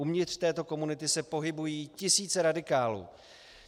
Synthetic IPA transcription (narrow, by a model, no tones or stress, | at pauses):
umɲɪt̪r̥t̪ɛːt̪o̞ko̞munɪt̪ɪsɛpo̞ɦɪbujiːcɪsiːt͡sɛɾadɪkaːlṵː